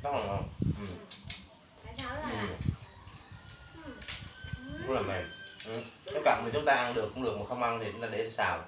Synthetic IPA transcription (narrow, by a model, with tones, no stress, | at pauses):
ɗa˦˥k̚la˨˩ə˧˩ʔɨ˨˩m | ɨ˨˩ | ku˧˦˥laː˨˩mɛ̰˧˨mʔɨ˨˩t̪ə˦˥t̚kaː˧˩mï˨˩t͡ɕʊ˦ŋ͡mt̪aː˧ʔa˧nɗɨ˨˩əkːʊ˧˥ŋ͡mlɨ˨˩ək̚mo˨˩t̚xə˧wŋ͡mʔa˧nt̪i˨˩t͡ɕʊ˧˦˥ŋ͡mt̪aː˧ɗe˧˩˧saː˧˩w